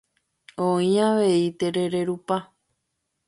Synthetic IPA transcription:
õĩaʋe̞it̪e̞ɾe̞ɾe̞ɾupa

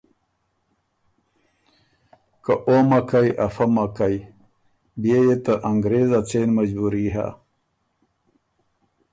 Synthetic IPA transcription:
kaʔomakajafamakaj | bjejet̪aʔaŋɡɾezat͡senmad͡ʑbuɾiɦa̰

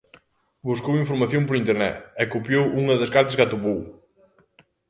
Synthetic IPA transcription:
buskowĩɱfuɾmɐθjõmpoɾĩnt̪eɾnɛ̰t̪ɛkopjowʔuŋɐðɐskaɾt̪ɐskat̪opow

